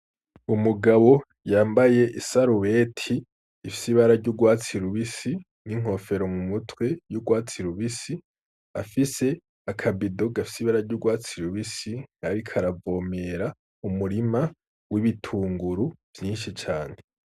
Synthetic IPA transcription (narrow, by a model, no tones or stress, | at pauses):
umuɡaβo̞ | jaːmbaje̞ʔisaɾuwe̞tʰiː | fi̥siβaɾaɾɟuːɡwaːt͡siɾuβisi | niŋ̥o̞fe̞ɾo̞mumutwe̞juːɡwaːt͡siɾuβisi | afise̞ | akʰabido̞ɡafi̥siβaɾaɾɟuːɡwaːt͡siɾuβisiŋ̥aɾikʰaɾavo̞ːme̞ɾa | umuɾima | wiβitʰuːŋɡuɾuv̥jiːnʃit͡ʃaːn̥e